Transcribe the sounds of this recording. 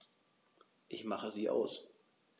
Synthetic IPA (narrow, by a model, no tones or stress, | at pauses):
ʔɪçmaχəziːʔa̰ʊs